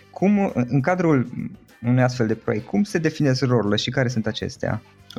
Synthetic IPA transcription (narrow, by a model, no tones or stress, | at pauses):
kʰumɨŋkad̪ɾul | unujas̬t̪fe̞ld̪e̞pɾo̰je̞k̚t̪̚ʲkʰumse̞d̪e̞fine̞skro̞ɾuleʃikaɾe̞s̬unt̪at͡ʃe̞̰st̪ea̰